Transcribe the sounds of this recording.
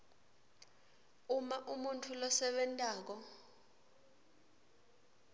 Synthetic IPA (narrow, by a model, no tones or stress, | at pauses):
umaʔumuntʰulɔsɛɓɛntʼaːk̬ɔ